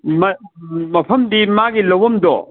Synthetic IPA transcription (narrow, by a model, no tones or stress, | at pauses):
mɐmɐpʰɐmdimaɡilɐwɐmdɔ̰